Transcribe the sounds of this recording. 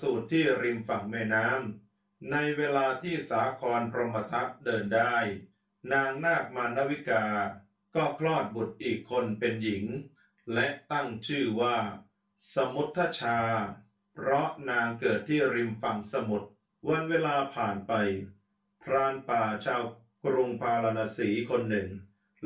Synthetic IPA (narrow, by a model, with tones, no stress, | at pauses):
suː˨˩t̪ʰːiː˥˩ɾi˧mfa˨˩ŋmɛː˧jnaː˦˥m | na˧jweː˧laː˧t̪ʰiː˥˩saː˩˦kʰɔː˧npʰɾo˧mpʰa˧t̪ʰa˦˥p̚dɤː˧ndaː˥˩j | naː˧ŋnaː˥˩k̚maː˧nːa˦˥wi˦˥kaː˧ | kɔː˥˩kʰlɔː˥˩t̪̚bu˨˩t̪̚ʔiː˨˩kʰːo˧npe˧nji˩˦ŋ | lɛ˦˥ʔt̪a˥˩ŋt͡ɕʰɯː˥˩waː˥˩ | sa˧mu˦˥t̪ʰːaː˥˩t͡ɕʰaː˧ | pʰɾɔ˦˥ʔnaː˧ŋkɤː˨˩t̪ʰːiː˥˩ɾi˧mfa˨˩ŋsa˧mu˨˩t̪̚ | wa˧nweː˧laː˧pʰaː˨˩npa˧j | pʰɾaː˧npaː˨˩t͡ɕʰaː˧w | kɾu˧ŋpʰaː˧la˧na˧siː˩˦kʰo˧nːɯ˨˩ŋ